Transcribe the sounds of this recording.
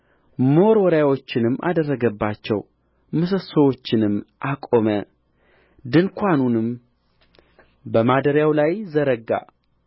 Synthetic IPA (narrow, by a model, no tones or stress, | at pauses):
mo̞ɾwɔɾjawo̞t͡ʃːɪnɨmːʔa̰d̪ərːəɡəbːat͡ʃːɛ̰w | mɨs̬əsəwo̞t͡ʃːɪnɨmʔakʼo̞mə | d̪ɨnkʰʷanunɨm | bəmad̪əɾjawlajzəɾəɡa̰